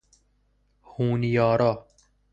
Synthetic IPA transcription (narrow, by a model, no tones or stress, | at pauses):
huːnijɔːɾɔː